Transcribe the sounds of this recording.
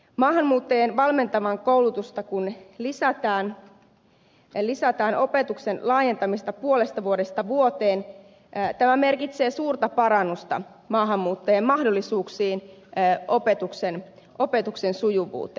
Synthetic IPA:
mɑːɦɑmmuːt̪ːeːnʋɑlme̞nt̪ɑmɑŋkowlut̪ust̪ɑkunlisæt̪ɑːn | lisæt̪ɑːnʔo̞pet̪uksenlɑːje̞nt̪ɑmist̪ɑpuolest̪ɑʋuodest̪ɑʋuot̪eːnː | t̪æmæme̞rkit̪se̞ːsuːrt̪ɑpɑɾɑnːust̪ɑ̰ | mɑːɦɑmːuːt̪ːeːmmɑhdolːisuːksiːnopet̪uksen | ʔo̞pet̪uksensujuʋṵːt̪ːˑe

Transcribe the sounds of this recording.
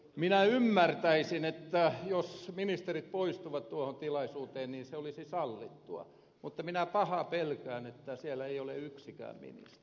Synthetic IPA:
minæymːært̪æisinet̪ːæjosminist̪erit̪̚poist̪uʋɑt̪t̪uohont̪ilɑisuːt̪eːnniːnseolisisɑlːit̪ːuɑ̰ | mut̪ːɑminæpɑhɑpelkæːnet̪ːæsielæeioleyksikæ̰ːmmḭnḭst̪

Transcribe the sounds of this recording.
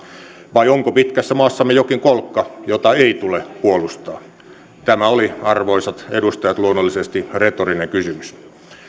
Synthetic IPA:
ʋɑioŋkopit̪kæsːæmɑːsːɑmːejokiŋkolkːɑjot̪ɑeit̪ulepuolust̪ɑː | t̪æmæoliɑrʋoisɑt̪edust̪ɑjɑt̪luonːolːisest̪iret̪orineŋkysymys

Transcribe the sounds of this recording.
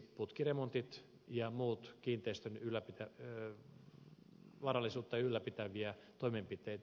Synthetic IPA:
ppːut̪kiremont̪it̪ | jɑmuːt̪kiːnt̪eist̪ønylːæpit̪æ | ʋɑrɑlːˑisuːt̪ːɑylːæpit̪æʋiæt̪oimempit̪eːt̪

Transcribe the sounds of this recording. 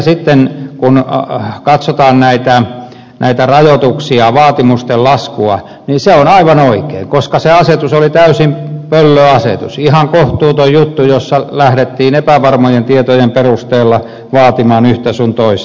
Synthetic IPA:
sit̪ːenkunkɑt̪sot̪ɑːnnæit̪æ | nʔæ̰it̪ærɑjot̪uksiɑʋɑːt̪imust̪ellɑskuɑ̰ | niseonɑiʋɑnoikḛːŋkoskɑseɑset̪usolit̪æysimpølːøɑsḛt̪ṵsihɑŋkoht̪uːt̪oijut̪ːujosːɑlæhɾet̪ːiːnepæʋɑrmojent̪iet̪ojemperust̪eːlːɑ | ʋɑːt̪imɑːnyht̪æsunt̪ois

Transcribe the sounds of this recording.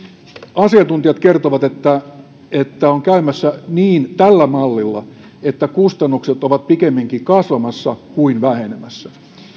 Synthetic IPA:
ɑsiɑnt̪unt̪iɑt̪kert̪oʋɑt̪et̪ːæ | et̪ːæoŋkæymæsːæniːnt̪ælːæmɑlːilːɑ̰ | et̪ːækust̪ɑnːukset̪oʋɑt̪̚pikemːiŋkikɑsʋɑmɑsːɑkuinʋæhenemæsːæ

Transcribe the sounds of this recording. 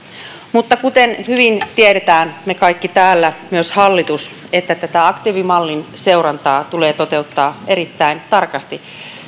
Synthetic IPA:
mut̪ːɑkut̪enhyʋint̪ieɾet̪æːnmekɑikːit̪æːlːæmyøshɑlːit̪us | et̪ːæt̪æt̪æɑkt̪iːʋimɑlːinse̞wɾɑnt̪ɑːt̪uleːt̪ot̪e̞ut̪ːɑːʔeɾit̪ːæint̪ɑrkɑst̪i

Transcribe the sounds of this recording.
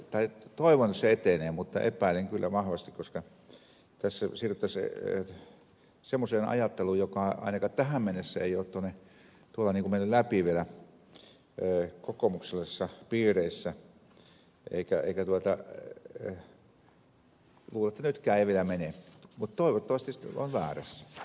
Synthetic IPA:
t̪ɑit̪oiʋonsseet̪eneːmut̪ːɑ̰ʔḛpæˑileŋkylːæʋɑhʋɑst̪ikkoskɑ | t̪æsːæsiːryt̪ːɑs | semːoseːnɑ̰jɑt̪ːelujokɑɑ̰inɑkɑːtt̪æhæmmenːesːæḛioːt̪t̪onːe | t̪uolɑniŋkumenːyllæpiʋielæ | kokomukselːɑsːɑpiːreisːæ | ʔḛˑikæḛikæt̪uot̪ɑ | luːlɑet̪ːænyt̪kæːeˑiʋielæmenemut̪t̪oˑiʋot̪ːɑʋɑst̪iso̰nʋæːræsːæ̥

